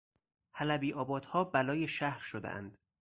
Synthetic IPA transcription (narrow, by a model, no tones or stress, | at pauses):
hælæbiːʔɒːbɒːd̪̥hɒːbælɒːjeʃæhɾʃod̪ḛʔæ̰nd̪̥